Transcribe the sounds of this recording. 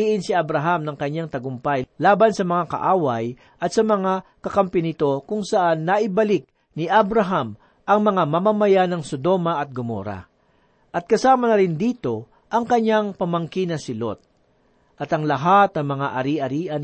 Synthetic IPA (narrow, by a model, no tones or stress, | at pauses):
iːʔɪnsɪɐbɾɐɦamnɐŋkɐɲaŋt̪ɐɡʊmpajlaːbɐnsɐmɐŋakɐ̰ʔaːwɐj | ʔɐt̪̚sɐmɐŋakɐkɐmpɛnɪt̪o̞kʊŋsɐʔanːɐʔɪbɐlɪk̚ | nɪʔabɾɐɦam | ʔɐŋmɐŋamɐmamɐjanɐŋsod̪o̞mɐʔɐt̪̚ɡʊmo̰ːɾɐ̰ | ʔɐt̪̚kɐsaːmɐnɐɾɪnd̪iːt̪o̞ | ʔɐŋkɐɲaŋpɐmɐŋkinɐsɪlo̰t̪̚ | ʔɐt̪ɐŋlɐɦat̪̚nɐŋmɐŋaʔɐɾiʔɐɾiːʔɐn